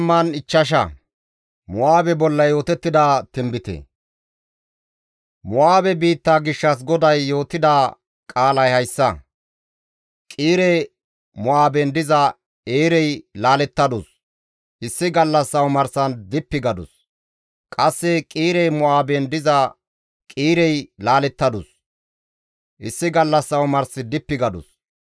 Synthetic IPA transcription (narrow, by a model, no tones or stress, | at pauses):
mːɐnɪt͡ʃːɐʃ̬ɐ̰ | mʊwaːbɛbɔlːɐjjo̞ːt̪ɛt̪ːɪd̪aːt̪ɪmbɪt̪ɛ̰ | mʊwaːbɛbiːt̪ːaːɡɪʃːɐs̬ɡɔd̪ɐjːo̞ːt̪ːɪd̪aː | kʼaːlɐjhɐjsːɐ | kʼiːɾɛj | mʊaːbɛnd̪ɪzɐ | eːɾɛjlaːlɛt̪ːɐd̪ʊs | ʔɪsːɪɡɐlːɐsːɐwmɐɾsɐnd̪ɪpːɪɡɐd̪ʊ̰s | kʼɐsːɛkʼiːɾɛjmʊaːbɛnd̪ɪzɐ | kʼiːɾɛjlaːlɛt̪ːɐd̪ʊs | ʔɪsːɪɡɐlːɐsːɐwmɐɾsɪd̪ɪpːɪɡɐd̪ʊ̰s